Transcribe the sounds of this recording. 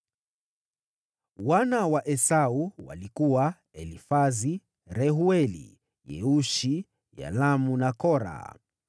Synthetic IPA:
wanawaʔɛsauwa̰likuwa | ɛlifazi | ɾɛɦuɛlḭ | jɛ̰uʃi | ja̰lamunakɔɾa̰

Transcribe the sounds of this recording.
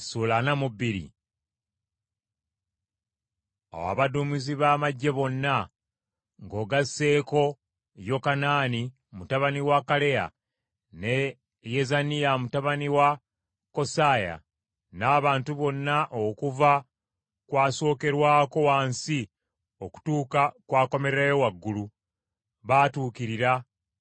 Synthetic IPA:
suːlanamubːiɾḭ | a̰wa̰βadumiziβaːmaɟːe̞βo̞nːa | ŋɡo̞ːɡasːe̞ːko̞ | jo̞kanaːni | mutaβaniwakale̞ja̰ | ne̞ | jezanijamutaβaniwa | ko̞saːja̰ | naːβaːntuβo̞nːaʔokuva | kwaːso̞ːke̞ɾwaːko̞waːnsi | o̞ku̥tuːkakwaːko̞me̞ɾɾajowaɡːulu | βaːtuːkiɾiɾa

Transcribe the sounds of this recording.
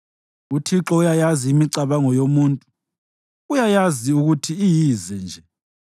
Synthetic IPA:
utʰiǁɔujajaziːmiǀaβaŋɔjomuːntʼu | ujajaziuɣutʰiːjiːzɛnd͡ʒʱɛ

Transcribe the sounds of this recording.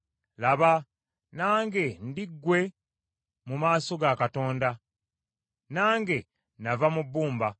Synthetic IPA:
laβa | naːŋɡe̞ndiɡːwe̞ | mumaːso̞ɡakato̞ːnda | naːŋɡe̞ | navamubːuːmba

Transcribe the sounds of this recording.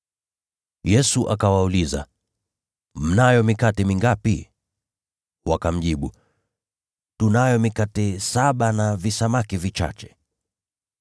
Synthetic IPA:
jɛsuʔakawauliza̰ | m̩najɔmikatɛmiŋɡapi | wakam̩ʄiɓu | tunajɔmikatɛsaɓanavisamakivit͡ʃa̰t͡ʃɛ̥

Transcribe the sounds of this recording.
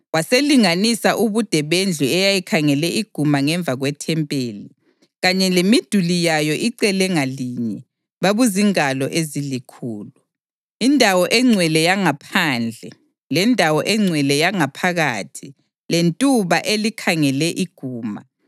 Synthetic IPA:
waseliŋanisaʔuβud̥ʱɛβend͡ɮʱuɛjajikʰaŋɛlɛiɡ̥ʱumaŋɛɱb̪vʱaɣwɛtʰɛmpʼeːli | ɣaɲɛlemid̥ʱulijajɔʔiǀɛlɛŋaliɲɛ | βaβuziŋalɔʔezilikʰuːlu | indʱawɔʔɛŋ͡ǀʱwɛlɛjaŋapʰaːnd͡ɮʱɛ | lɛndʱawɔʔɛŋ͡ǀʱwɛlɛjaŋapʰaɣaːtʰi | lentʼuβaʔelikʰaŋɛlɛʔiɡ̥ʱuːma̰

